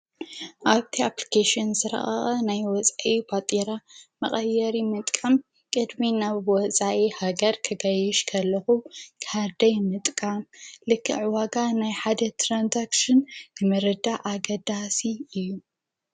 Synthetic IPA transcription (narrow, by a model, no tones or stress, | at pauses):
ʔaβt̪ʰiaplikʰaʃɪnzɨɾɐ̰ʔɐ̰ɐnajwɔt͡sʼaʔibat̪ʼiɾamɐχʼɐjːɐɾimɨt̪ʼkʼɐm | kʼɨd̪minaβwɔt͡sʼaʔihaɡɐɾkʰɐɡɐjɛʃkʰɐlːɐxukʰaɾd̪ɐjmɨt̪ʼkʼamlɨkʰːɨʕɨwaɡanajħad̪ɐt̪ʰɾanzakʃɨnnɨmɨɾɐd̪aʔaɡɐd̪asiɨjːu